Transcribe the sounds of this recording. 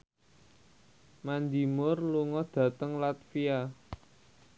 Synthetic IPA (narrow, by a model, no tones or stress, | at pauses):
mand̪imʊrluŋɔd̪̥a̤t̪əŋlat̪fia